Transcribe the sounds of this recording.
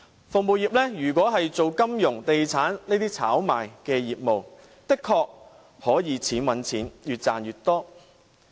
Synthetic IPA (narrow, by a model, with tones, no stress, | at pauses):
fʊ˨ŋ̚muː˨jiː˨p̚lɛː˥jyː˨˩kʷɔː˨˥ɦɐ˨jt͡so˨wkɐ˥mjʊ˨˩ŋt̪e˨jt͡sʰaː˨˥nne˥t̪iː˥t͡sʰaː˨˥wma̰ː˨˩jkɛː˧jiː˨p̚mo˨w | t̪ɪ˥kʰːɔː˧k̚ | hɔː˨˥jiː˨˧˥t͡sʰiː˨˥nwɐ˨˥nt͡sʰiː˨˥njyː˨t̚t͡saː˨njyː˨t̪̚ɔː˥